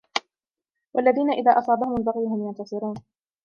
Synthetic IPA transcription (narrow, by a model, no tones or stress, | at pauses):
wʔalːaðiːnaʔɪðaːʔɑsˤɑːd̪ahʊmʊlbaɣɪjhʊmjant̪ɑsˤɨɾuːn